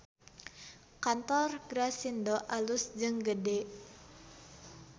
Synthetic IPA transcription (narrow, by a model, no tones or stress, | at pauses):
kant̪ɔrɡɾasindɔʔalʊsd͡ʒɨŋɡədɛ